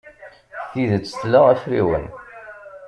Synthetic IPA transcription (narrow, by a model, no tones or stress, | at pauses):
θiðət͡sːə̥θlaæfɾḭwə̰n